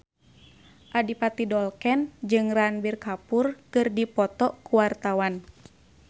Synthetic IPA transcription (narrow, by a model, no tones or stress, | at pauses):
ʔadipat̪idɔlkɛnd͡ʒɨŋranbirkapurkɨrdipɔt̪ɔkuwart̪awan